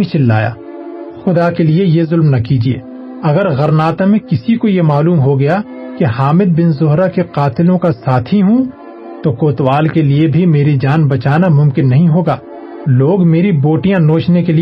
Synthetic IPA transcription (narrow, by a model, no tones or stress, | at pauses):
it͡ʃɪlːa̰ːja̰ː | xʊd̪akeliejezʊlmnɐkiːd͡ʒiḛː | ɐɡəɾɣɐɾnaːt̪amẽkɪsikojemaːluːmɦoɡɐja | kiɦaːmɪd̪̚bɪnzʊɦɾakeqaːt̪ɪlõkasaːt̪ʰiɦũ | t̪okoːt̪waːlkeliebʱimeːɾid͡ʒaːnbɐt͡ʃaːnamʊ̃mkɪnːɐɦĩɦoːɡaː | loːɡmeːɾiboːʈijãnoːt͡ʃnekeli